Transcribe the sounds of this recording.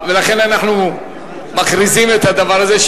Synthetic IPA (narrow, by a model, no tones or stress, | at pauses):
velaχe̞nanaχnu | makɾizimet̪had̪avaʁazeʃ